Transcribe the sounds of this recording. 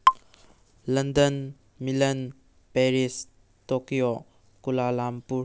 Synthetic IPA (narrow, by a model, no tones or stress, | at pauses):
lɐndɐn | milɐn | peɾis | tokijo | kulalampuɾ